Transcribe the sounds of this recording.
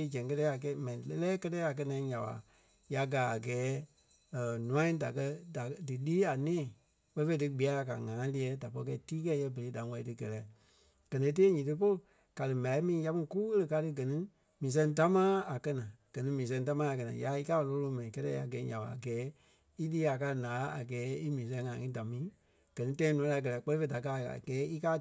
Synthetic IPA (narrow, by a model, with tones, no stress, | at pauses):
d͡ʒɛ̃˨ŋkɜ˧tɛː˦a˨k̬ɛ˧˦mɛ̃˨nĩ˨lɛ˦lɛː˦kɜ˦tɛː˦a˨k̬ɜ˧nã˨ĩ˦ɲã˨wa̰˨ | ja˧˦ɡaː˨˦a˨ɡɛː˨˦ | ə˨nũ˨˦ã˦da˨kɜ˧da˨dɨ˨liː˦a˨nɛ̃ː˦˨ | ɓɛ˧˦fe˧˦dɨ˧ɡ͡bi˨˦a˨˦la˨ka̰˨ŋãː˨˦li˧ɛ˨˦da˨pɔ˧˦i˧kɛ˧i˦tiː˦kɛ˦jɛ˧˦bə˨le˨˦da˨˦wɛ˧˨i˨tɨ˧˦ɡɛ˨lɛ˨˦˨ | ɡ̥ɜ˨nẽ˨˧˦t̬eː˦ɲĩː˨tɨ˦p̬o˦˨ | ka˨dɨ˨mã˨i˦mĩː˨˦ja˧mĩ˦ku˦ɣə˦lə˧ka˧tɨ˧ɡɜ˨nĩ˧˦ | mĩː˨s̬ɛ̃˧˦t̬a˦mãː˦a˨kɜ˧nã˨ɡ̥ɜ˨nĩ˦mĩː˨s̬ɛ̃˧˦t̬a˦mãː˦a˨k̬ɜ˧nã̰˨ja˨˦i˦kaː˦˨lo˧˦lo˧˦mɛ̃˨ĩ˨kɛ˦tɛ̰˧˦a̰˨ɡɛ˨˦ɲã̰˨ɓa̰˨a˨ɡɛː˨˦ | i˦liː˦a˨kaː˧˦nãː˨˦a̰˨ɡɛː˨˦i˦mĩː˨s̬ɛ̃˧˦ŋãː˨˦ŋĩ˦da˨mĩː˨˦ | ɡ̥ɜ˨nĩ˦tã˧˦ĩ˧nũ˨˦la˨˧˦k̬ɜ˧lɛ˧˦k͡pɜ˦le˦fe˧˦da˨k̬aː˦˨a̰˨ɡ̥ɛː˨˦i˦kaː˦